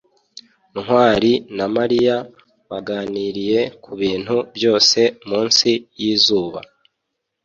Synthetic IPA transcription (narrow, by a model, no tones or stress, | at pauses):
ŋ̥waːɾinamaɾija | βaɡaːniːɾije̞kʰuβiːn̥hubjo̞ːse̞muːnsijiːzuːβa̰